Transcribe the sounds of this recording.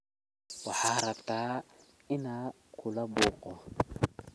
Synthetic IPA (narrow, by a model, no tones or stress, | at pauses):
waħaːaɾɐbtaː | ɪna | kʰʊlabuːqʼɔ